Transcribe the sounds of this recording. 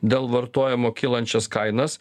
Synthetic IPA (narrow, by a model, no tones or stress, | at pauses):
d̪ʲeːlˠʋɐɾt̪oɔːjɛmoːkʲɪlˠɐnʲt͡ʃʲɛskɐɪnɐs